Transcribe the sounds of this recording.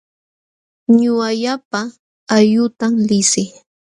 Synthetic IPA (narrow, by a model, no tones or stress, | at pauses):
ɲʊaʎapa | ajʊt̪amlɪsɪ